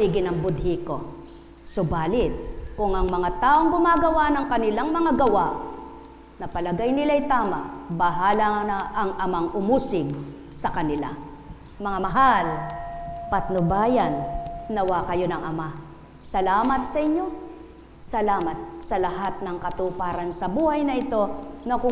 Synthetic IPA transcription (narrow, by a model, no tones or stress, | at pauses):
siːɡɪnɐŋbʊd̪̚hiko̞ | sobaːlɪt̪̚kʊŋʔɐŋmɐŋat̪aːʔoŋɡʊmaːɡɐwanɐŋkɐnɪlaŋmɐŋaɡɐwaʔ | nɐpɐlɐɡajnɪlajt̪aːma̰ʔbɐɦaːlɐnaʔɐŋʔɐmaŋʊmuːsɪɡ | sɐkɐnɪla̰ | mɐŋamɐɦal | pɐt̪̚nobaːjɐnnɐwakɐjo̞nɐŋɐma | sɐlaːmɐt̪sɐʔɪɲːo̞ | sɐlaːmɐt̪̚sɐlɐɦat̪̚nɐŋkɐt̪upaːɾɐnsɐbuːhɐjnɐʔɪt̪o̞nɐkʊ